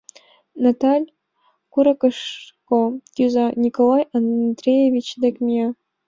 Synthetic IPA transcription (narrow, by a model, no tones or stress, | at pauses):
nat̪alʲ | kuɾɑkɤʂkojuzɑnʲikolˠɑjand̪rʲejevʲit͡ɕd̪ekʲmʲie